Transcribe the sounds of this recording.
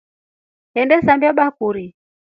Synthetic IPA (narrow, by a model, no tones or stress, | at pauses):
hɛndɛsambiɔɓakuɾi